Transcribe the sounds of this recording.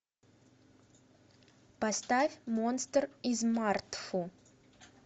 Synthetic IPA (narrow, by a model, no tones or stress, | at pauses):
pɐst̪afʲmonst̪rizmart̪fu